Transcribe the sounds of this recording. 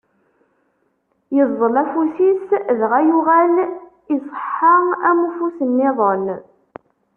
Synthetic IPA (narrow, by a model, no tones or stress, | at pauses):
jəzˤːəlæfusisðʁæjuʁæl | isˤə̥ħːəʁæmufusənːɪðˤən